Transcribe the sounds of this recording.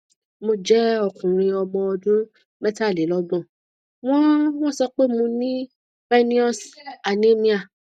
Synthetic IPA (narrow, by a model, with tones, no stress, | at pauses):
mo˧d͡ʒɛ˦ɔ˦˨kũ˨ɾ̃ĩ˧ɔ˧ɡ͡bɔ̃˧ɔ˧dũ˦ | mɛ˦ta˦˨le˨˦lɔ˦ɡ͡bɔ̃˦˨ | w̃ɔ̃˦w̃ɔ̃˦˨sɔ˧k͡pe˦mũ˧nĩ˦ | fɛ˦nĩ˦ɔ˦˨sa˨nĩ˨˦mĩ˧a˨